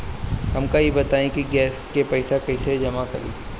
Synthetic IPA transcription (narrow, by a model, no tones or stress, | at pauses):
ɦɐmkajebɐt̪aːẽkiɡɛːskepɐɪsakɐɪsed͡ʒɐmakɐ̰ɾḭː